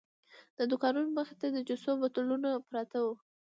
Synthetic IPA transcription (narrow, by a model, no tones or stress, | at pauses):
d̪əd̪ʊkɑnunoməxɪ̥t̪ad̪əd͡ʒʊsobat̪ʊlunapɾɑt̪awu